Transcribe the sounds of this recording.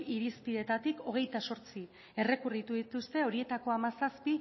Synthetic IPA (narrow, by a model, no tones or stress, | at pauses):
iɾispiðe̞t̪at̪iko̞ɣ̞e̞jt̪aso̞ɾt͡si | e̞re̞kurit̪uðit̪ust̪e̞o̞ɾie̞t̪ako̞amasaspi